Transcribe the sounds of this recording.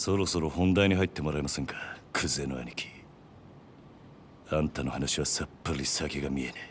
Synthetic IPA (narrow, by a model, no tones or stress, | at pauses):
so̞ɾo̞so̞ɾohõ̞nd̪aiɲ̟ihait̪ːe̞mo̞ɾaemasẽ̞ŋkʰḁkʰɯzɨe̞noa̰ɲʲikʲi̥ | ãnt̪ano̞hanaɕiβasapːɯɾisakeɡamʲie̞ne